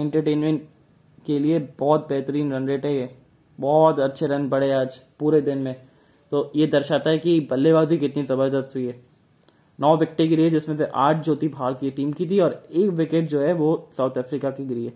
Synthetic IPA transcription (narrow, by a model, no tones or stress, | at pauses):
ɛ̃ɳʈəɾʈeːnmẽɳʈ | keliebɔːt̪̚bɛɦt̪əɾiːnɾɐnɾeːʈɦɛjɛː | bɔːt̪ɐtːʃʰeɾɐ̃nbɐɽeaːd͡ʒpuːɾed̪ɪnmẽ | t̪oːjed̪ɐɾʃaːt̪aɦɛkibɐlːeʋaːzikɪt̪nizɐbəɾd̪əst̪ɦʊiɦɛː | nɔːʋɪk̚ʈiɡɪɾiɦɛd͡ʒɪsmẽs̬eʔaːʈʰd͡ʒoːt̪ibʱaːɾk̪ieʈiːmkit̪iɔːɾeːkʋɪkeʈ̚d͡ʒoːɦɛʋosaːʊt̪ʰɛːfɾiːkakeɡɪɾiɦɛː